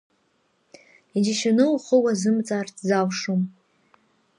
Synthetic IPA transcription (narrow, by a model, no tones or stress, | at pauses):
id͡ʒaʃanɨlχowazɨmt͡sʼaːrtʰzawʂom